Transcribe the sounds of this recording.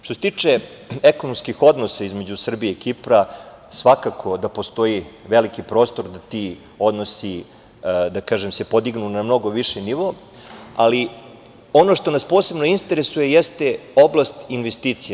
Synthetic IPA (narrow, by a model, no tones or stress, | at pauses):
ʃt̪oset̪iːt͡ʂe | eko̞nomskixo̞d̪nosaizme̞d͡ʑusr̩bieikipɾa | sʋakakʰo̞d̪apo̞st̪o̞iʋelikipɾo̞ːst̪o̞ɾd̪at̪i | o̞d̪no̞si | d̪akaːʒemse̞po̞d̪iɡnunamno̞ɡo̞ʋiʃeniʋo̞ | ali | o̞noʃt̪o̞naspo̞ːse̞bno̞int̪eɾesuje̞jest̪eo̞blˠast̪inʋest̪iːt̪sia